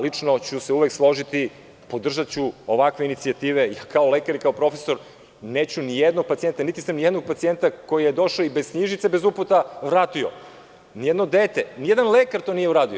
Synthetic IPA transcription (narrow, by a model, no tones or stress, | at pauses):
lit͡ʂnot͡ɕuseuʋekslˠo̞ʒit̪i | po̞d̪r̩ʒat̪t͡ɕuo̞ʋakʋe̞init̪siat̪iːʋejakʰaolekaɾikaopɾo̞feso̞ɾ | neːt͡ɕunijed̪no̞ɡ̚pat̪ie̞nt̪anit̪i̥samnijed̪no̞ɡ̚pat̪sie̞nt̪ako̞jijed̪o̞ʃaoibez̥sɲiʒit̪sebe̞zuput̪aʋɾaːt̪io̰ | nijed̪no̞d̪eːt̪enijed̪anlekaɾt̪onijeuɾaːd̪io